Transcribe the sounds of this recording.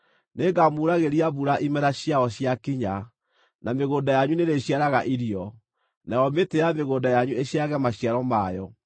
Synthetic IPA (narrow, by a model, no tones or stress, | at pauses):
neːɡamuɾaɣeɾiaβuɾaʔimɛɾaɕjaɔɕjakiɲa | nameɣoːdajaɲuneɾeɕjaɾaɣaʔiɾiɔ | najɔmetejameɣoːndajaɲueɕiaɣɛmaɕjaɾɔmajɔ